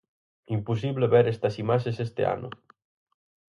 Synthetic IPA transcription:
impus̬iβleβeɾest̪ɐsimaʃesest̪ḛa̰nʊ̰

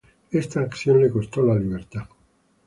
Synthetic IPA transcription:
est̪aːksjollekost̪olaliβeɾt̪a

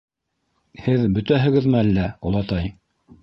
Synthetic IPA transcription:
hɘðbɵ̆t̪æɦɘ̆ɡɘðmɘælːæŏ̰lˠɑt̪ɑj

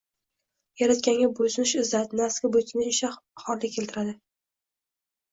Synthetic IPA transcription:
jaɾat̪kʲaŋɡʲabʊsɪnɪʃɪzat̪naskʲabot̪ʰnɪɪʃaχɒɾlːɪkʲʰːe̞lt̪ɪɾad̪ɪ

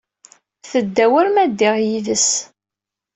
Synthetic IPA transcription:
θəd̪ːæwəɾmæd̪ːɪʁjiðəs

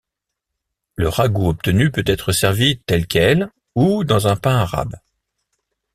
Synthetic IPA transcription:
ləʁaɡuɔp̚t̪ənypøt̪ɛt̪χəsɛʁvit̪ɛlkʲʰɛl | ud̪ɑ̃zɛ̃pɛ̃aʁa̰b

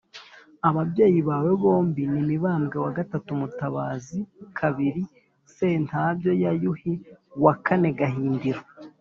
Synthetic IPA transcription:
aβabje̞ːjiβaːwe̞βo̞ːmbinimiβaːmɡewaɡatatumutaβaːzikʰaβiɾi | se̞nthaːbjo̞jajuhiwakʰane̞ɡaɦiːndiɾo

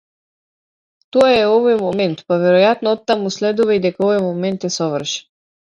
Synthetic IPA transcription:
t̪ɔaɛɔvɔjmɔmɛnt̪pavɛɾɔjat̪nɔɔt̪ːamuslɛd̪uvaid̪ɛkaɔvɔjmɔmɛnt̪jɛsɔvər̩ʃɛ̥

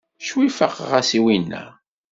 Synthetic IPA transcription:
ʃwifəqʁæsiwinːæ̰

